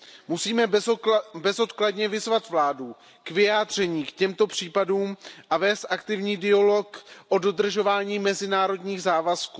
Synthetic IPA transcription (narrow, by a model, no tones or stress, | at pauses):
musiːmɛ | bɛzo̞t̪kladɲɛvɪzvat̪vlaːdu | kvɪjaːd̪r̝ɛɲiːkcɛmt̪o̞pr̝̥iːpaduːmʔavɛːst̪ʔakt̪ɪvɲiːdɪalo̞kʔo̞do̞d̪r̩ʒo̞vaːɲiːmɛzɪnaːɾo̞dɲiːɣzaːvaskuː